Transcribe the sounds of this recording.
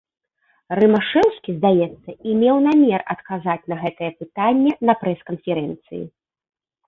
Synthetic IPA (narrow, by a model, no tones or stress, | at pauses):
rɨmaʂɛwskʲizd̪ajɛt̪sːɐimʲɛwnamʲɛrɐ̰t̪kazat͡sʲnɐɣɛt̪ɐjɛpɨt̪anʲːɛnɐpɾɛskɐnfʲɛɾɛnt̪sɨ̰jḭ